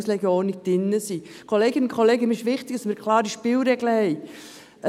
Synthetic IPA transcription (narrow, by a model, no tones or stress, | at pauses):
slɛɡjəoːnɪk̚d̥ɪnːəsi | kʰoleːɡɪnnkʰoleːɡəmɪʃʋɪχtɪɡ̥d̥ɑsmɪːɾkʰlɑːɾdiʃpɪlɾɛɡləhɛɪ